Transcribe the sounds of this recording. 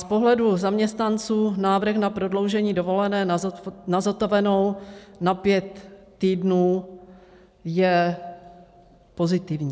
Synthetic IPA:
spo̞ɦlɛduzamɲɛst̪nant͡suːnaːvr̩xnapɾo̞dlo̞wʒɛɲiːdovo̞lɛnɛːnazat̪ovɛno̞wnapjɛt̪ː | iːdnuː | jɛ | po̞zɪt̪ɪvɲiː

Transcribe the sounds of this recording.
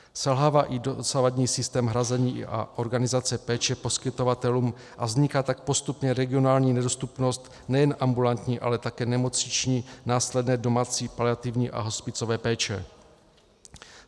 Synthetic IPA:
sɛlɦaːvaːʔɪdosavadɲiːsɪst̪ɛːmɦɾazɛɲiːʔa̰ʔo̞ɾɡanɪzat͡sɛpɛːt͡ʃɛpo̞skɪt̪o̞vat̪ɛluːm | ʔavzɲɪkat̪ak̚po̞st̪upɲɛɾɛɡɪo̞naːlɲiːnɛdo̞st̪upno̞st̪ | nɛjɛnʔambulant̪ɲiːʔa̰lɛt̪akɛːnɛmo̞t͡sɲɪt͡ʃɲiːnaːslɛdnɛːdo̞maːt͡siːpalɪat̪ɪvɲiːʔa̰ɦo̞spɪt͡so̞vɛːpɛːt͡ʃɛ

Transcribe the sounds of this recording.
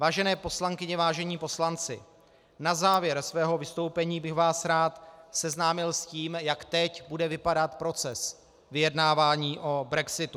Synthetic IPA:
vaːʒɛnɛːpo̞slaŋkɪɲɛvaːʒɛɲiːpo̞slant͡sɪ̰ | nazaːvjɛɾsvɛːɦo̞vɪst̪o̞wpɛɲiːbɪxvaːsɾaːt̪sɛznaːmɪlsciːmjakt̪ɛcbudɛvɪpadat̪pɾo̞t͡sɛs | vɪjɛdnaːvaːɲiːʔo̞bɾɛksɪt̪u

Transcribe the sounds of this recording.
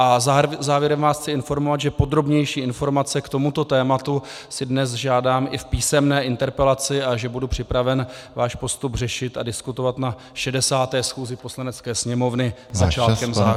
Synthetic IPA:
ʔazaːvjɛɾɛmvaːsxt͡sɪɪnfo̞ɾmovat̪ʒɛpo̞d̪ɾo̞bɲɛjʃiːɪnfo̞ɾmat͡sɛkt̪o̞mut̪o̞t̪ɛːmat̪u | sɪdnɛs̬ʒaːdaːmʔɪfpiːsɛmnɛːɪnt̪ɛɾpɛlat͡sɪaʒɛbudupr̝̥ɪpɾavɛnvaːʃpo̞st̪ubrɛʃɪt̪adɪskut̪ovat̪na | ʃɛdɛsaːt̪ɛːsxuːzɪposlanɛt͡skɛːsɲɛmo̞vnɪzat͡ʃaːkɛmza

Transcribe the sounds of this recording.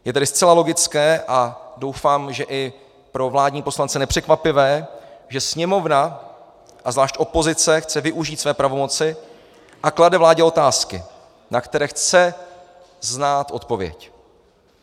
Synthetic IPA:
jɛt̪ɛdɪst͡sɛlalo̞ɡɪt͡skɛːʔado̞wfaːmʒɛʔɪ | pɾo̞vlaːdɲiːpo̞slant͡sɛnɛpr̝̥ɛkvapɪvɛːʒɛsɲɛmo̞vna | ʔazvlaːʃc̪ʔo̞po̞zɪt͡sɛxt͡sɛvɪʔuʒiːt̪svɛːpɾavo̞mo̞t͡sɪ | ʔakladɛvlaːɟɛo̞t̪aːskɪ | nakt̪ɛɾɛːxt͡sɛ | znaːt̪ʔo̞t̪po̞vjɛ̰c

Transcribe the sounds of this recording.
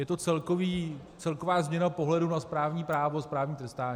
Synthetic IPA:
jɛt̪o̞t͡sɛlkoviː | t͡sɛlko̞vaːzmɲɛnapo̞ɦlɛdunaspɾaːvɲiːpɾaːvospɾaːvɲiːt̪ɾɛst̪aːɲː

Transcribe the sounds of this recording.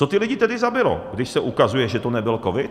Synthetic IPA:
ot̪ɪlɪɟɪt̪ɛdɪzabɪlo̰ɡdɪʃsɛʔukazujɛʒɛt̪onɛbɪlkovɪt̪

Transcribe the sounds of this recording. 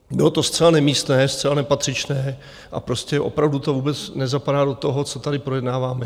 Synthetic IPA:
bɪlot̪o̞st̪t͡sɛlanɛmiːst̪nɛːst̪t͡sɛlanɛpat̪r̝̥ɪt͡ʃnɛː | ʔa̰pɾo̞scɛʔo̞̰pɾavdut̪o̞vuːbɛt͡snɛzapadaːdo̞t̪o̞ɦo̞t͡so̞t̪adɪpɾo̞jɛdnaːvaːmɛ

